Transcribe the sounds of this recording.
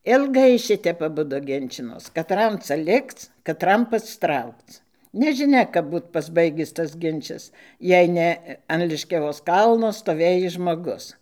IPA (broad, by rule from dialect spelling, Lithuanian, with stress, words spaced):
ɪlˠˈɡɐɪ ˈʃʲɪtʲɛp ɐˈbʊdʊ ˈɡʲɪnʲt͡ʃʲɪnoːs kɐˈtrɐm ˈt͡sɐ ˈlʲɪkt͡s kɐˈtrɐm pɐsˈtrɐʊkt͡s nʲɛʒʲɪˈnʲɛ kɐp ˈbuːt pɐzˈbɐɪɡʲɪs tɐs ˈɡʲɪnʲt͡ʃʲɛs ˈjɛɪ nʲɛ ɐn lʲɪʃʲkʲɛˈʋoːs ˈkɐlˠnoː stoːˈʋʲeːjɪs ʒmoːˈɡʊs